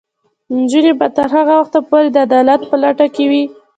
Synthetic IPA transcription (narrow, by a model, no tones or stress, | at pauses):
nd͡ʒunebat̪əɾɦaɣawaxt̪apoɾed̪əad̪ɑlat̪pəlaʈakewi